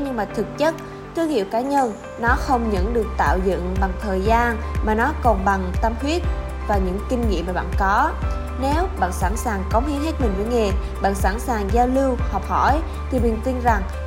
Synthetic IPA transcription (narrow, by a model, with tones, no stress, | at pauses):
ɲɨ˧ŋmaː˨˩t̪ʰɨ˨˩k̚t͡ɕə˦˥t̚ | t̪ɨ˧əŋḭ˧˨əwkaː˨˦ɲə˧n | nɔ˨˦xə˧wŋ͡mɲə̰˧˥nɗɨ˨˩ək̚t̪a̰ː˧˨wzə̰˧˨nɓa˨˩ŋt̪ʰəː˨˩jzaː˧nmaː˨˩nɔ˨˦kɔ˨˩nɓa˨˩ŋt̪ə˧mhwi˦˥ət̚ | vaː˨˩ɲɨ̰˧˥ŋkï˧ŋ̟ŋḭ˧˨maː˨˩ɓa̰ː˧˨nkɔ˨˦ | ne˨˦wɓa̰ː˧˨nsa̰˧˥nsaː˨˩ŋkə˨˦wŋ͡mhi˨˦əŋɦe˦˥t̚mï˨˩ŋ̟vəː˨˦jŋe˨˩ | ɓa̰ː˧˨nsa̰˧˥nsaː˨˩ŋzaː˧wli˧whɔ˨˩wk͡p̚hɔ̰˧˩˨j | t̪ʰi˨˩mï˨˩nt̪i˧nza˨˩ŋ